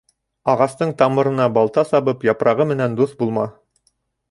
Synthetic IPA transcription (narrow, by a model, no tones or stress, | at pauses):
ɑʁɑst̪ɤɴt̪ɑmɤ̆ɾɤ̆nɑbɑlˠt̪ɑsɑβɤpjɑpɾʔɑʁɤmɘ̆nænd̪uθbulˠmɑ